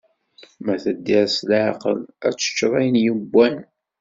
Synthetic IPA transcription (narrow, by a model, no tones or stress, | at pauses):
mæθəd̪ːiɾæslʕɑqə̰læ̰t͡sːə̥t͡ʃːɾˤæjənjəbʷːæn